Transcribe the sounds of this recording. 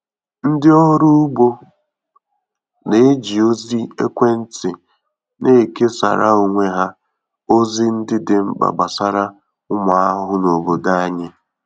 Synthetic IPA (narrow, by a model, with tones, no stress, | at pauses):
n̩˦dɪ˦ɔ˦ɦʊ˦ɾʊ˦ʊ˦bo˦ | ne˨˦d͡ʒi˨o˦zi˦ḛ˦kʷe˦n̩˦tɪ˨ | nʔe˦˨ke˦sa̰˨ɾʔa̰˦o˨ŋʷe˦ɦa˦ | o˦zi˦n̩˦dɪ˦dɪ˨m̩˦k͡pa̰˨ɡ͡ba̰˨sa˦ɾa˦ | ʊ˦ma˨a˦ɦʊ˦no˨bo˨da˦a˦ɲɪ˦